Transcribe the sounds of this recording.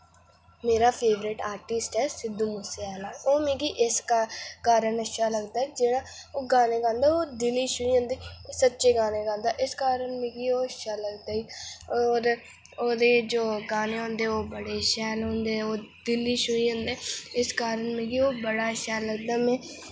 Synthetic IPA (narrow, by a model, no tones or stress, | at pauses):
meːɾaːpʰeːʋɾɪʈaːɾʈɪsʈɦɛːsɪd̪uːmʊsaːlaːoːmẽːɡiːʔɪskakaːɾəɳəʃaːləɡd̪aːid͡ʒeːɽaːoːɡaːneːɡãːnd̪aːoːd̪ɪliːʃʊiːɦõːnd̪iːsətːʃeːɡaːneːɡãːnd̪aːʔɪskaːɾəɳmẽːɡiːoːəʃaːləɡd̪aːiːɔːɾ | oːd̪eːd͡ʒoːɡaːneːɦõːnd̪eːoːbəɽeːʃɛːlɦõːnd̪eːoːd̪ɪliːʃʊiːɦõːnd̪eːɪskaːɾəɳmẽːɡiːoːbəɽaːʃɛːlːəɡ̚d̪aːmɛ̃ː